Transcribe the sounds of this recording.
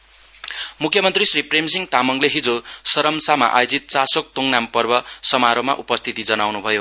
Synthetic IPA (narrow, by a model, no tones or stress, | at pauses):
mukʰjʌmʌnt̪risripremsiŋt̪amʌŋleɦid͡zosʌɾʌmsama̰ʔa̰jod͡zit̪̚t͡sasok̚t̪oŋnampʌrbʌsʌmaɾoma̰ʔupʌst̪ʰit̪id͡zʌnawnubʱʌjo